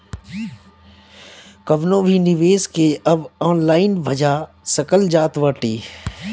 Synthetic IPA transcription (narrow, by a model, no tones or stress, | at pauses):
kɐʋnõːbʱiːnɪʋeːskeːɐbaːnlaːɪnbʱɐd͡ʒaː | sɐkəld͡ʒaːt̪ʋəːʈiː